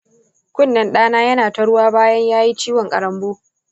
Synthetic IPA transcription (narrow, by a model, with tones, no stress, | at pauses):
kʷʊ˦˨nːɐ˨nɗaː˦naː˦jɐ˦naː˨tɐ˨ɽʊ˦waː˦baː˦jɐ˦ɲjaː˦ji˦t͡ʃiː˦wɔ˨ŋkʼɐ̰˨ɾɐ˦mboː˦